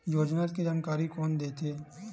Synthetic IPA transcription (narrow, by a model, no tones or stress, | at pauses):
joːd͡ʒnaːt̪̚kid͡ʒaːnkaːɾikɔːnd̪eːt̪ʰeː